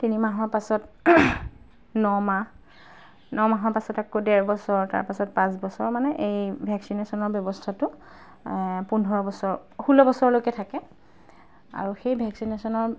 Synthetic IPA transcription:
tinimaɦɔɹpasɔt | nɔma | nɔmaɦɔpasɔtɛkodɛɹbɔsɔɹta̰ɹpasɔt̚pãsbɔsɔɹmanɛʔejbʱɛksinesɔnɔɹbjɔbɔstʰatʊ | pundʱɔɹɔbɔsɔɹxulɔbɔsɔɹlokɛtʰakɛ | a̰ɹuxejbʱɛksinesɔnɔɹ

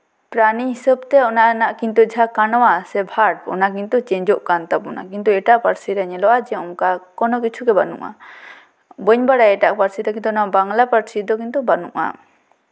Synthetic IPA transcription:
pɾaniɦisəb̚t̪ɛɔnaʔnaʔkint̪ud͡ʒʱakanɔwasɛbʱaɾɖ̚ɔ̰nak̬int̪ut͡ʃɛɲd͡ʒɔʔkant̪abɔna̰kint̪uɛʈaʔpaɾsiɾaɲɛlɔwad͡ʒɛɔŋkakɔnɔkit͡ʃʰuɡɛbanṵʔa̰ | bəɲbaɽaɛʈaʔpaɾsid̪ɔkint̪uɔnaʔbaŋlapaɾsid̪ɔkint̪ubanṵʔa̰

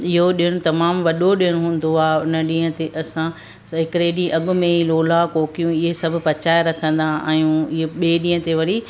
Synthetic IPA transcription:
ɪɦoɗiəɽ̃ʊt̪ɐmaːmʋɐɗoɗiəɽ̃ɦũːn̆d̪oaːʊnɐɗĩːə̃t̪eʔɐsã | ɦɪkɪɾeɗĩʔɐɠʊ̆mẽiloːlakoːkijũɪɦesɐbʱʊ̆pɐt͡ɕaːɪɾɐkʰə̃nd̪ãʔãːjũɪɦeɓeːɗĩːə̃t̪eʋɐɾi

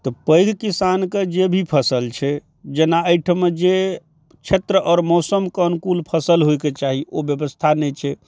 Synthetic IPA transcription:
t̪ɔpəjɡʱkisanked͡ʒebʱipʰəsəlt͡ʃʰɛ | d͡ʒenaəjʈʰmed͡ʒe | t͡ʃʰet̪ɾəɔːɾmɔsəmkənkulpʰəsəlɦojket͡ʃaɦiʔobjəbəst̪ʰanɛt͡ʃʰɛ

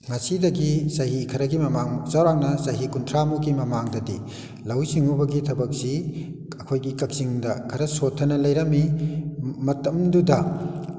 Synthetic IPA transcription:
ŋɐsidɐɡisɐɦikʰɐɾɐɡimɐmaŋzawɾaŋnɐsɐɦikuntʰɾamuɡimɐmaŋdɐdḭ | lɐwsiŋubɐɡitʰɐbɐk̚si | ɐkʰojɡikɐk̚siŋdɐkʰɐɾɐsotʰːɐnɐlɐjɾɐmːi | mɐtɐmdudɐ

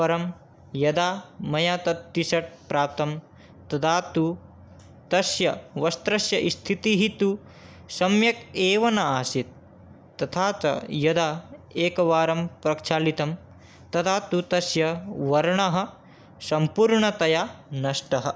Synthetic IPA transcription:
pɐɾɐm | jɐd̪aːmɐjaːt̪ɐt̪ːisɐʈ̚pɾaːp̚t̪ɐm | t̪ɐd̪ʰaːt̪u | t̪ɐsjɐʋɐst̪ɾɐʃjɐʔist̪ʰit̪iɦit̪u | sɐmjɐkeːʋɐnɐaːsit̪̚ː | ɐt̪ʰaːt͡ʃɐ̰jɐd̪aːeːkɐʋaːɾɐmpɾɐkt͡ʃʰaːlit̪ɐm | t̪ɐt̪ʰaːt̪ut̪ɐsjɐʋɐɾɳɐɦɐ̆ | sɐmpuːɾɳɐt̪ɐjanɐʂʈɐɦɐ

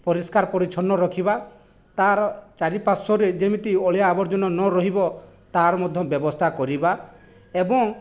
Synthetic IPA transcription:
pɔɾiskaɾpɔɾit͡ʃʰɔnːɔɾɔkʰiba | t̪aɾt͡ʃaɾipasɔɾed͡ʒemit̪ioɭjaːbɔɾd͡ʒɔnɔnɔɾɔɦibɔ | t̪aɾmɔd̪ʱjɔbjɔbɔst̪ʰakɔɾiba | ebɔŋ

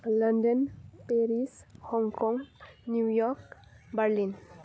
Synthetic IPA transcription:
lənɖənpeɾishɔŋkɔ̃ŋɡnjujɔk | bəɾlin

